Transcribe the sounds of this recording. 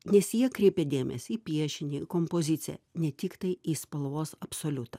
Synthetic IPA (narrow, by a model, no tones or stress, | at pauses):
nʲɛsjiɛkɾʲɛɪpʲed̪ʲeːmʲɛ̰sʲiːpʲiɛʃʲɪnʲɪɪkompoːzʲɪt̪sʲɪjɛ̰nʲɛt̪ʲɪkt̪ɐɪiːspɐlˠʋoːsɐpsoːlʲʊt̪ɐ